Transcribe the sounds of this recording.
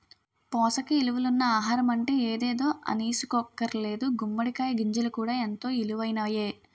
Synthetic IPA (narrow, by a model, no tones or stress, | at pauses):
pɔːsɐkiiluʋulunːɐaːɦaːɾɐmɐɳʈeeːd̪eːd̪o̞ːʔɐ̰niːsu̥kɔkːɐɾle̞ːd̪uɡumːɐɽikaːjɐɡiɲd͡ʒɐlukuːɽaːent̪o̞ːiluʋɐjnaːje̞ː